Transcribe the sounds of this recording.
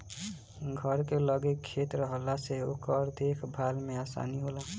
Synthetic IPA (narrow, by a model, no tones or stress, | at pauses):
ɡʱʌɾkelʌɡekʰːet̪ɾʌɦʌlːaseokʌɾd̪ekʰbʱalmeasa̰niɦola